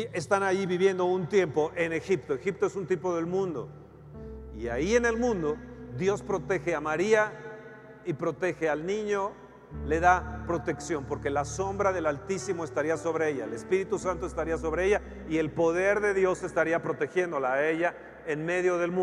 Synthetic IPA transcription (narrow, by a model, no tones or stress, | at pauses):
e̞st̪anaʝiβiβje̞nd̪o̞unt̪je̞mpo̞ʔe̞ne̞xipt̪o̞exip̚t̪o̞e̞sunt̪ipo̞ðe̞lmũnd̪o̞̰ | ia̰ie̞ne̞lmũnd̪o̞ðjo̞spɾo̞t̪e̞xe̞amaɾia | ipɾo̞t̪e̞xe̞alnĩɲo̞ | le̞ðapɾo̞t̪e̞ksjo̞mpo̞ɾke̞laso̞mbɾaðe̞lalt̪isimo̞e̞st̪aɾiaso̞βɾe̞e̞ʝaele̞spiɾit̪usant̪oest̪aɾiaso̞βɾeeʝa | ie̞lpo̞ðe̞ɾðe̞ðjo̞se̞st̪aɾiapɾo̞t̪exje̞nd̪o̞laːe̞ʝa | e̞nme̞ðjo̞ðe̞lm